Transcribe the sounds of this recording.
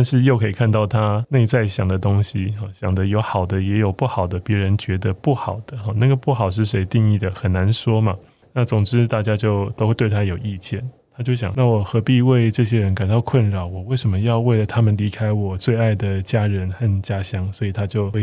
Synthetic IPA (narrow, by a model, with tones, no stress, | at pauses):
ʂɻ̩˥˧jo˥˩kʰɤ˧˥i˨˩kʰa˥˧nt̪ɑ˥˩ʊt̪ʰa˥ne˥˧ɪt͡sa˥˩ɪɕjɑ˨˩ŋd̪ə˦t̪ʊ˥ŋɕi˨xɑ˥˩ɕjɑ̰˨˩ŋd̪ə˦jo˧˥ʊxɑ˨˩ʊd̪ə˦jɛ˧˥jo˨˩ʊpu˥˩xɑ˨˩ʊd̪ə˦pjɛ˧˥ɻə˧˦nt͡ɕɥɛ˧˥d̪ə˧pu˥˩xɑ˨˩ʊd̪̥ə˦xɔ˥˨na˥˩ɡə˩pu˥˩xɑ˨˩ʊʂ̬ɻ̩˥˩ʂe˧˥ɪt̪i˥˧ŋi˥˩d̪ə˩xə˨˩nna˧˦nʂwɔ˥mɐ˨ | na˥˩t͡sʊ˨˩ŋʈ͡ʂɻ̩˥t̪a˥˩t͡ɕja˥t͡ɕjo˥˩ʊt̪o˥ʊxe˥˧t̪we˥˩ɪt̪ʰa˥jo˨˩ʊʔi˥˧t͡ɕʰjɛ˥˩ntt̪ʰa˥t͡ɕjo˥˩ʊɕ̬jɑ̰˨˩ŋna˥˩wɔ˨˩xɤ˧˥pi˥˧we˥˧ɪʈ͡ʂɤ˥˩˧ɕjɛ˥ɻə˧˦nka˨˩nt̪ɑ˥˧ʊkʰwə˥˩nɻɑ˨˩˦ʊwɔ˨˩we˥˩ɪʂə˧˥mə˧jɑ˥˧ʊwe˥˩ɪlə˨˩t̪ʰa˥mə˨nli˧˥kʰa˥ɪwɔ˨˩t͡swe˥˧ɪa˥˩ɪd̪ə˩t͡ɕja˥ɻə˧˦nxə˥˩nt͡ɕja˥ɕjɑ˥ŋswɔ˧˥i˨˩t̪ʰa˥t͡ɕjo˥˩ʊ